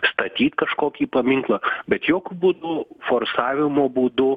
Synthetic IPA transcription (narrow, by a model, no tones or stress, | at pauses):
st̪ɐt̪ʲiːt̪kɐʃkoːkʲiːpɐmʲɪŋklˠɐbʲɛt̪joːkʲʊbuːd̪ʊfoːrsɑːʋʲɪmoːbuːd̪ʊ